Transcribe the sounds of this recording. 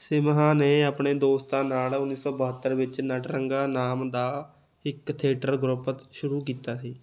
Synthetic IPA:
sɪmɦãːneːəpɳeːd̪oːst̪ãːnaːlʊnːiːsɔːbəɦət̪ːəɾʋɪt͡ʃnəʈɾəŋɡaːnaːmd̪aː | ɪkt̪ʰeːʈəɾɡɾʊpət̪ʃʊɾuːkiːt̪aːsiː

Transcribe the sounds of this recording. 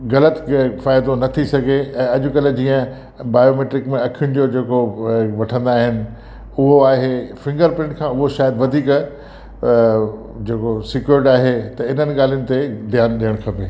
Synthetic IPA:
ɣɐlət̪faːjd̪onɐt̪ʰisɐɡʱeɛ̃ːɐʄʊ̆kɐl̆d͡ʑiːə̃ | baːjomeːʈɾɪkmẽɐkʰijʊñɪ̆d͡ʑoːd͡ʑeːkoʋɐʈʰə̃nd̪aːɦɪnɪ̆ | ʊɦoaːɦefɪ̃ŋɡəɾpɪ̃ɳʈ̚kʰãːʊɦoʃaːjəd̪ʋɐd̪ʱiːk | d͡ʑeːkosɪkjʊɾɪʈaːɦet̪ɐɪn̤ənɪ̆ɠaːl̤ijʊnɪ̆t̪ed̪ʱijaːnɗijəɽ̃kʰɐpeː

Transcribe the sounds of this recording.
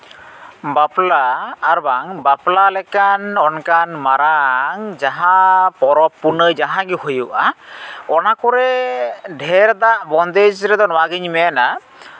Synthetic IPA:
baplaːɾbaŋbaplalɛkanɔnkanmaɾaŋd͡ʒaɦãpɔɾɔpːunəjd͡ʒaɦãɡihujuʔaɔnakɔɾɛɖʱɛɾd̪aʔbɔnd̪ɛd͡ʒɾɛd̪ɔnɔwaɡiɲmɛna

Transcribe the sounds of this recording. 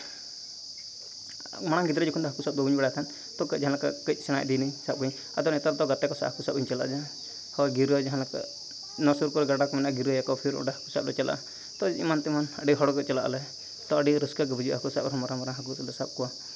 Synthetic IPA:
maɽ̃aɡid̪ɾɛd͡ʒɔkʰund̪ɔɦakusap̚bɔɡuɲbɛɽajat̪ʰan | t̪ɔkəd͡ʒaɦãnlakakət͡ʃ̪̚sɛɽ̃a̰jd̪inijsap̚kuɲ | a̰t̪ɔnɛt̪aɾt̪ɔɡat̪ɛkɔsa̰ʔɦakusap̚ɡuɲt͡ʃala̰d͡ʒa | hɔɡiɾɔd͡ʒaɦãlaka̰ | nɔsuɾkɔɾɔɡaɖakɔmanajaʔɡiɾɔjakɔpʰiɾɔ̰ʈaɦakusap̚lɔt͡ʃalʔa̰ʔ | t̪ɔimant̪imanaɖiɦɔɽɔkɔt͡ʃɛla̰ʔlɛ | t̪ɔəɖiɾəskak̬əbəd͡ʒuɦakusap̚ɾɦɔmaɾamaɾaɦakuɔlɔsap̚kua

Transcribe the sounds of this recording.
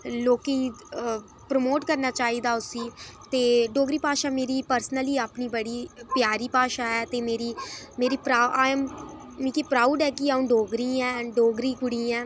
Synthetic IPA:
loːkiː | pɾəmoːʈkəɾnaːt͡ʃaːiːd̪aːʊsĩːt̪eːɖoːɡɾiːpaːʃaːmeːɾiːpəɾsənəliːaːpniːbəɽiːpjaːɾiːpaːʃaːɦɛːt̪eːmeːɾiːmeːɾiːpɾaːʔam | mĩkiːpɾaːuːɖɦɛːkɪaːũːɖoːɡɾĩɛːɖoːɡɾiːkʊɽiːɛː

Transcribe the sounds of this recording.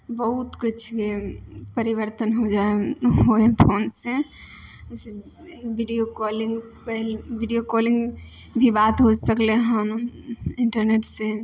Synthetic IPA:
bəɦut̪kit͡ʃʰkepəɾibəɾt̪ənɦod͡ʒaeɦoepʰoːnsẽ | se | biɖijokɔliŋɡ | pəɦlbiɖijokɔliŋɡ | bʱibat̪ɦod͡ʒsəkleɦanuiɳʈəɾneʈse

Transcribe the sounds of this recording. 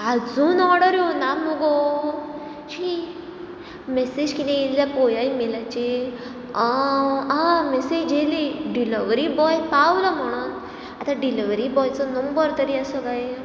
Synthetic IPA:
ad͡zuːnɔɾɽəɾjonamuɡo | ɕi | mɛsed͡ʑkit̪ɛ̃illapojajmelat͡ɕe | amɛsed͡ʑd͡ʑeleɖiləʋɾibɔjpawlɔm̤əɽ̃uːn | at̪ãɖiliʋɾibɔjt͡sɔnəmbəɾt̪əɾiasəkaj

